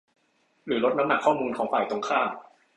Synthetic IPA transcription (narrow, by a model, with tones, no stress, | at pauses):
ɾɯː˩˦ɾo˦˥t̪̚na˦˥mna˨˩kʰːɔː˥˩muː˧nkʰɔː˩˦ŋfaː˨˩jt̪o˧ŋkʰaː˥˩ŋ